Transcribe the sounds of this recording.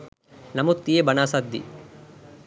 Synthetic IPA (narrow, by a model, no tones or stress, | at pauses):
nɐmut̪ːiebɐnaːsad̪ːḭ